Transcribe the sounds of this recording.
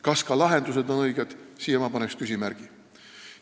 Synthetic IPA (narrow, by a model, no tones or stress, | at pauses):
kɑskɑlɑɦe̞nd̪use̞d̪o̞nɤjɡ̥ed̪̥sijemɑpɑne̞kskysʲimæɾɡ̥i